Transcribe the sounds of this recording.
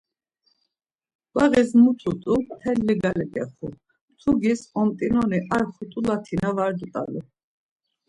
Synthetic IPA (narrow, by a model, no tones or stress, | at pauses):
b̥aʁɛsmut̪ʰut̪ʼumt̪ʰɛlːiɡalɛɡɛ̰χṵ | mt̪ʰuɡisɔmt̪ʼinɔniʔaɾχut̪ʼulat̪ʰinavaɾd̪ut̪ʼa̰lḭ